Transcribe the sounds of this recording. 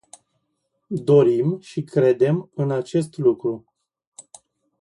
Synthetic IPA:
d̪o̞ɾimʃikɾe̞d̪e̞mɨnat͡ʃe̞st̪lukɾu

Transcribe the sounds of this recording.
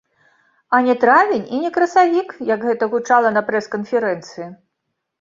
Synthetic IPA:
ɐnʲɛt̪ɾavʲenʲinʲɛkɾɐsavʲikjɐɡɣɛt̪ɐɣut͡ʂalˠɐnɐpɾɛskɐnfʲɛɾɛnt̪sɨji

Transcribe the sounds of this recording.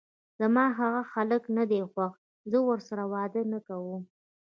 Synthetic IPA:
z̥amɑɦaɣaxaləknad̪exwax | zəwəɾsaɾawɑd̪ənakawu

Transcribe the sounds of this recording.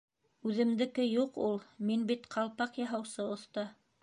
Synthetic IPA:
ʉðɘ̆md̪ɘ̆kɘjuqulˠminbit̪qʰɑlˠpɑqjɑɦɑwsɤŏθt̪ɑ

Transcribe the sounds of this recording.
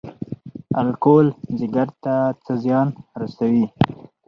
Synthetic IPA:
alkolzɪɡaɾt̪at͡səzjɑnɾasawi

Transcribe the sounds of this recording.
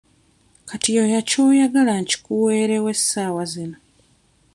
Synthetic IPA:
katijojaco̞ːjaɡalaɲci̥kuwe̞ːɾewe̞sːaːwazino

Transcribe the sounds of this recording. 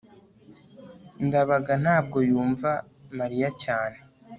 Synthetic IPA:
ndaβaɡan̥haːb̚ɡo̞juːɱva | maɾijacaːne

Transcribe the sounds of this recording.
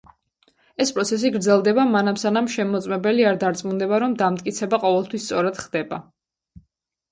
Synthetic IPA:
ɛspʼɾɔt̪sʰɛs̬iɡɾd̪zɛlˠd̪ɛbamanamsanamʃɛmɔt̪sʼmɛbɛliaɾd̪aɾt̪sʼmund̪ɛbaɾɔmd̪amt̪ʼkʼit̪sʰɛbaqʼɔvɛlˠt̪ʰwist̪sʼɔɾad̪̥χd̪ɛba

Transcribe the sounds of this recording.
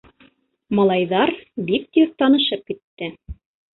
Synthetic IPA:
mɑlˠɑjðɑɾbik̚t̪yɾt̪ɑnɤ̆ʃɤp̚kit̪ːɘ

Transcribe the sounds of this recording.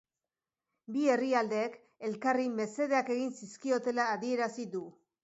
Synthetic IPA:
bie̞riald̪e̞ːk | elkarime̞se̞ð̞eake̞ɣ̞insiskio̞t̪e̞laːðie̞ɾasiðu

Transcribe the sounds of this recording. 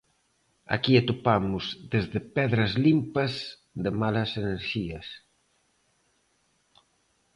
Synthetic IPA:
a̰kiet̪opamʊzðezðɪpɛðɾɐzlimpɐz | ðɪmalɐseneɾʃiɐs

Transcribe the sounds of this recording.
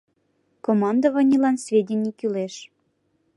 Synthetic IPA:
komɑnd̪əβənʲilɑnsvʲedʲenʲikyleʃ

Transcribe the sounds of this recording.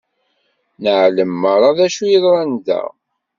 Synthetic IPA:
nəʕləmːəɾˤɑðæʃujiðɾˤɑnðæ̰

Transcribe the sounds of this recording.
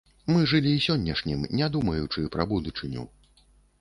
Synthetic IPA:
mɨʐɨlʲiːsʲɔnʲːɐʂnʲimnʲad̪umɐjut͡ʂɨpɾɐbud̪ut͡ʂɨnʲṵ

